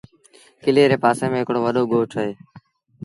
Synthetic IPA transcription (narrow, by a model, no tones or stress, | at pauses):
kɪleːɾeːpaːsẽːmẽːɦɪkɽoːʋəɗoːɡoːʈəɦeː